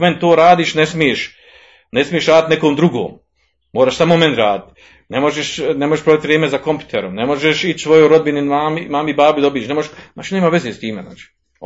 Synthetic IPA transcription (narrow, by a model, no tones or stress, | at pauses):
ment̪oːɾaːd̪iːʃnesmijeʃ | nesmijeʃɾaːd̪it̪nekomd̪ɾuɡo̰ːm | moːɾaːʃsamomenʲɾaːd̪it̪ | nemo̞ʒeʃnemo̞ʒeʃpɾoʋit̪ʋɾeːmezakompʲju̥t̪eɾomnemo̞ʒeʃit͡ʃsʋojoɾod̪binimaːmimaːmibaːbid̪obieʃnemoʒeʃaːt͡ʃineːmaːʋe̞zeːst̪iːmḛzna̰ːt͡ʃi̥